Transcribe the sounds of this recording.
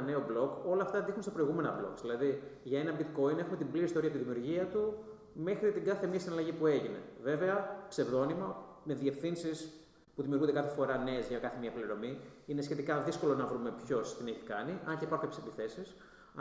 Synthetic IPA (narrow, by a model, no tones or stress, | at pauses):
ne̞o̞blo̞ko̞lɐːft̪ɐd̪ixunst̪ɐpɾo̞iɣume̞nɐblo̞̰ksðilɐðiʝɐe̞nɐbit̪ko̞ine̞xume̞t̪imbliɾist̪oɾiɐpt̪iðimiuɾʝiɐt̪u | me̞xɾit̪iŋɡɐθe̞miɐsinɐlɐʝipue̞ʝine̞̰ve̞veɐkse̞vðo̞nimɐ | me̞ðie̞fθinsis | puðimijuɾud̪kɐθefo̞ɾɐne̞ːzʝɐkɐθemiɐpliɾo̞miinesçe̞t̪ikɐðisko̞lo̞nɐvɾume̞pço̞st̪ineçi̥kɐniʔɐnceipɐɾxukɐçesɐd̪iθe̞sis